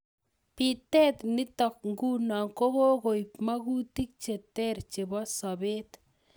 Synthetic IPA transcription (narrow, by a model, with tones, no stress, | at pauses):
pitɛ˦t̪nɪ˦tɔ˨k̚ŋɡu˦na˨ŋko˦bo˦ko˨jpma˦ku˦ti˦k̚t͡ʃe˨tɛ˦ɾt͡ʃe˨bɔ˦sɔ˨be˦t̪